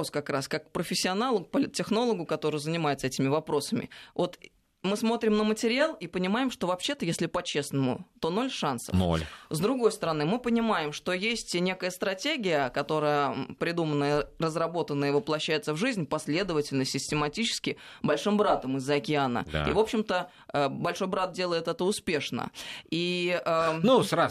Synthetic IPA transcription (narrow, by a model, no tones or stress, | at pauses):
oskɐkɾaskakpɾəfʲɪsʲːɪɐnalˠʊk̚pəlʲɪt̪̚tʲːɪxno̞lˠəɡʊkɐt̪o̞ɾəjʊzənʲɪmajɪt̪sɛtʲɪmʲɪvɐpɾo̞səmʲɪ̰vo̞t̪ | mɨsmo̞t̪ɾʲɪmnəmətʲɪɾʲɪalˠipənʲɪmaɪmʂt̪o̞vɐpɕːe̞t̪əjesʲlʲɪpɐt͡ɕe̞snəmʊ̰t̪o̞no̞lʲʂansə̰nfo̰lʲzd̪ɾʊɡo̞jst̪əɾɐnɨmɨpənʲɪmajɪmʂt̪o̞jesʲtʲnʲe̞kəjəst̪ɾɐtʲeɡʲɪjəkɐt̪o̞ɾəjəpɾʲɪd̪umənːəjərəzrɐbo̞t̪ənːəəɪvəplˠɐɕːæjɪt̪səvʐɨzʲnʲpɐsʲlʲe̞d̪əvətʲɪlʲnəsʲɪsʲtʲɪmɐtʲit͡ɕɪ̥skʲɪbɐlʲʂɨmbɾat̪əmɨzːəɐkʲɪanə̰ḭvo̞pɕːɪmt̪ə | əbɐlʲʂo̞jbɾat̪̚dʲe̞lˠəjɪt̪ɛt̪əʊspʲe̞ʂnə̰iənusɾa